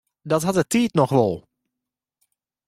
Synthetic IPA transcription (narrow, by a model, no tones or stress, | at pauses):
dɔtɦatətiːtnɔxʋɔlˠ